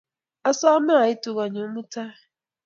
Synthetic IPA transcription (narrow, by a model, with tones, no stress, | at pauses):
a˦sa˦ma˦a˨i˦tu˨ɣa˨ɲo˨˦mu˦ta˦